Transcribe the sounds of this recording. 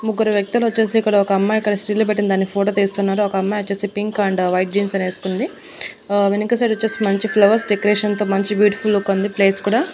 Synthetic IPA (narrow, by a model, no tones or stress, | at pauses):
muɡːuɾɐʋjɐk̚t̪ulɐt͡ʃːeːsiːkːɐɽɐɔkɐɐmːaːikːɐɽɐsʈiːloːp̬eʈːinɐd̪aːnːipʰoːʈoːt̪iːst̪unːaːɾuɔkɐɐmːaːɐt͡ʃːeːseːpiŋkɐɳɖʋɐjʈ̚d͡ʒiːnsɐneːsu̥kund̪i | ʋenikɐs̬eʈɐt͡ʃːeːsimɐɲt͡ʃipʰlɐʋɐɾsɖekoɾeːʂɐnt̪oːmɐɲt͡ʃibjuːʈi̥pʰulːukːond̪ipleːskuːɽaː